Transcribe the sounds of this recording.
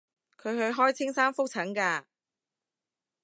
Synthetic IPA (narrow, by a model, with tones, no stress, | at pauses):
kʰɵ˨˧ɥɦɵ˧ɥɦɔː˥jt͡sʰɪ˥ŋsaː˥nfʊ˥k̚t͡sʰɐ˨˥ŋkaː˧